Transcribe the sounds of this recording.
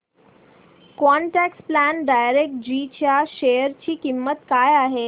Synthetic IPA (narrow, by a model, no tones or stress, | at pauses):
kɔɳʈæksplænɖajɾek̚ʈ̚d͡ʑiːt͡ɕjaʃejəɾt͡ɕiːkimːət̪kajaɦe